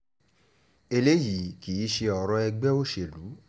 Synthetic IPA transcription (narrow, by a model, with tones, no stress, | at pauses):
e˧le˦ji˨˦ki˨i˦ʃe˧ɔ˨ɾɔ˧ɛ˧ɡ͡bɛ˦o˦ʃe˧˨lu˨˦